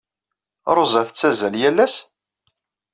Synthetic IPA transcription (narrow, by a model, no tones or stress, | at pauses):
ɾˤozæθət͡sːæzæljælːæs